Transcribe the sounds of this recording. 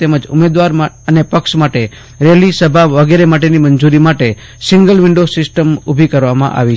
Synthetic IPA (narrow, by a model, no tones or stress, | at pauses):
t̪eməd͡ʒʊ̰med̪ʋaɾma | ənepəkʃmaʈe | ɾelisəbʱaʋəɡeɾemaʈeniməɲd͡ʒuɾimaʈe | sɪŋɡəlʋɪɳɖosɪsʈəmubʱikəɾʋamã̰ʔa̰ʋi